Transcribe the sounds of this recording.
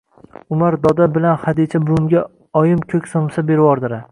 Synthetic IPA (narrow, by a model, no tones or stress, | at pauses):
ʊmaɾd̪ɒd̪abɪlanhad̪it͡ʃʰabʊmɡʲa | ɒjɪmkʲʰɵkʲsomsabe̞ɾwɒɾd̪ɪɾa